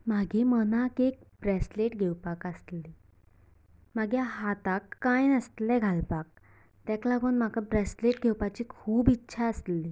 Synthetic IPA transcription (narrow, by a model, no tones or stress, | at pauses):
maɡemənakek̚bɾɛsleʈɡʱewpakast̪li | maɡjaɦat̪akːajnəst̪lɛɡʱalpak̚ | t̪ɛklaɡuːnm̤akabɾesleʈɡʱewpat͡ɕiːkʰuːbitːɕʰaəsli